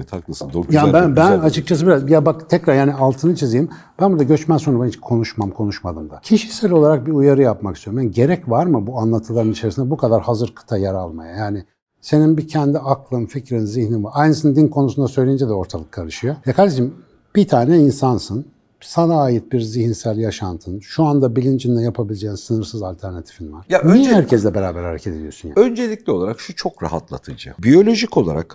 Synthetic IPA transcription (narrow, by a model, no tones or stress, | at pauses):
t̪ʰaklˠasɯnd̪ojabænbænat͡ʃʰɯk̚t͡ʃʰasɯbiɾazbijabakt̪ʰɛcɾaɾjaːnialˠt̪ʰɯnɯt͡ʃʰizijim | b̥ænbuɾd̪aɟø̞t͡ʃmænsonabɛnt͡ʃkʰo̞nuʃmamkʰo̞nuʃmad̪ɯmd̪acʰiʃisælʲo̞lˠaɾak̚biujaɾɯjapmakʰɯst̪ʰøjoɾmjanɟe̞ɾɛcvaɾmɯbuanlˠat̪ʰɯlˠaɾɯnit͡ʃʰe̞ɾisind̪ɛbukʰad̪aɾhazɯɾkʰɯ̥t̪ʰajaɾalˠmajajaːnɪ | se̞ninbicʰɛnd̪iaklˠɯnficɾinziçninvaɾajnɯsɯnd̪inkʰo̞nusund̪asøjlʲejind͡ʒɛd̪ɛo̞ɾt̪ʰalˠɯkʰːaɾɯʃɯjojakʰaɾd̪iʃim | b̥it̪ʰaːnɛinsansɯn | sanaːjit̪̚biɾzihinsælʲjaʃant̪ʰɯnʃuand̪abilʲind͡ʒind̪ɛjapʰabilʲed͡ʒeːinsɯnɯɾsɯzalʲt̪ʰæɾnat̪ʰi̥finvaɾ̥jaihæɾcʰɛzlʲɛbeɾaːbæɾhaɾecʰed̪elʲijo̞sunja̰ø̞nd͡ʒe̞lʲiclʲio̞lˠaɾakʃut͡ʃʰo̞kɾa̰ɦa̰t̪lˠa̰t̪ʰɯd͡ʒɯ̰bijo̞lʲo̞ʒikolˠa̰ɾa̰k